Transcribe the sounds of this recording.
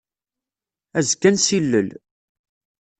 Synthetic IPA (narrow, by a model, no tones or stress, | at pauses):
æzɡænsilːə̰l